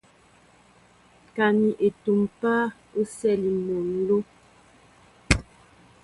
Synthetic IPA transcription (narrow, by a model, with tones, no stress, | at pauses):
ka˨ni˨ʔe˨tu˨mpa˦ | o˦sɛ˦˨li˨mo˨n˦lo˦